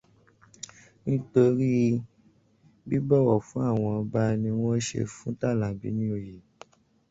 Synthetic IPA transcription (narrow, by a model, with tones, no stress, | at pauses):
nĩ˦to˧ɾi˦ | bi˦bɔ˦˨wɔ˨fũ˨˦a˦˨w̃ɔ̃˧ɔ˧ba˦nĩ˧w̃ɔ̃˦ʃḛ˧fũ˦ta˦˨lã˨bḭ˨˦nĩ˦o˧˨je˨